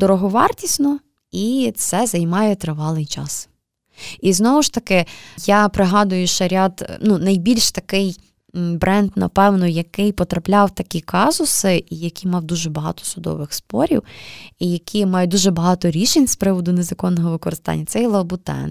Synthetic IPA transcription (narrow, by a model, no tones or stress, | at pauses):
d̪ɔɾɔɦɔʋɑrt̪ʲisʲnɔ | it̪sɛzɐjmɑjɛt̪ɾɪʋɑlˠɪjt͡ʃɑ̰s | iznɔʋʊʃt̪ɐkɪjapɾɪɦɑd̪ʊjʊʃɐɾʲɑd̪nunɐjbʲilʲʃt̪ɐkɪj | bɾʔɛnd̪nɐ̰pɛwnɔjɐkɪjpɔt̪ɾɐplʲɑwt̪ɐkʲikɑzʊsɪʔijɐkʲimɑwd̪uʒɛbɐɦɑ̰t̪ɔ̥sʊd̪ɔ̰ʋɪxspɔ̰ɾʲḭwijɐkʲʰimɑjʊd̪uʒɛbɐɦɑt̪ɔɾʲiʃenʲspɾɪʋɔd̪ʊnezɐkɔnːɔɦɔʋɪkɔɾɪst̪ɑ̰nʲːɐt̪sɛjlˠɐbʊt̪ɛ̰n